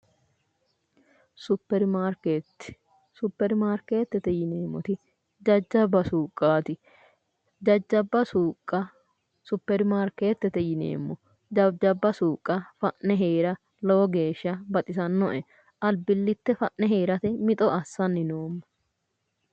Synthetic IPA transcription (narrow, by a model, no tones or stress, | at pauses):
sʊpːɛɾmaɾket̪ː | sʊpːɛɾmaːɾke̞ːt̪ːɛt̪ɛjɪneːmːɔt̪ɪ | d͡ʒɐd͡ʒːɐbːɐsuːkʼːaːt̪ɪ | d͡ʒɐd͡ʒːɐbːɐsuːkʼːɐ | sʊpːɛɾmaːɾke̞ːt̪ːɛt̪ɛjɪnḛːmːɔ | d͡ʒɐd͡ʒɐbːɐsuːkʼːɐfɐʔnɛɦeːɾɐ | lɔɔɡe̞ːʃːɐbɐt̪ʼɪsɐnːɔʔɛ | ʔɐlbɪlːɪt̪ːɛfɐʔnɛɦeːɾɐt̪ɛmɪt̪ʼɔɐsːɐnːɪnoːmːɐ